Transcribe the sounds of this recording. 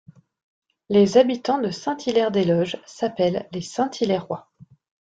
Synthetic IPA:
lezabit̪ɑ̃d̪əsɛ̃t̪ʰilɛʁd̪elɔʒsapɛlːesɛ̃t̪ʰilɛʁːwa

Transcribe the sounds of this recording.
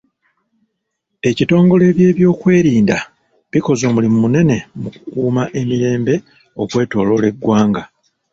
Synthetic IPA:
e̞cito̞ːŋɡo̞le̞ːβje̞ːβjo̞ːkwe̞ːɾiːnda | βiko̞zo̞ːmulimumune̞ne̞muku̥kuːmaʔe̞miɾe̞ːmbe̞ | o̞kwe̞ːto̞ːlo̞le̞ɡwaːŋɡa

